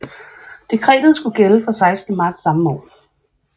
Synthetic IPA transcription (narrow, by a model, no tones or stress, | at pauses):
d̥e̝kʰʁɛ̰ːd̥ð̩ˠsɡ̥uɡ̥eləfɒ̽sɑ̈ɪsd̥nəmɑ̈ːd̥sːɑ̈məmɔ̰ːl